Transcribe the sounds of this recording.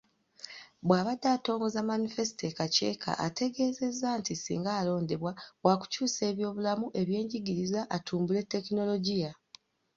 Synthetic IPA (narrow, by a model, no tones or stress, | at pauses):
βwaːβadːaːto̞ːŋɡo̞zamanife̞sitekace̞̰ːkʰa̰ʔa̰te̞ɡe̞ːze̞zːaːntisḭːŋɡaːlo̞ːnde̞βwawaku̥cuːse̞ːβjo̞ːβulamuʔe̞βje̞ːɲɟiɡiɾizaʔatʰuːmbule̞tːe̞kino̞lo̞ɟija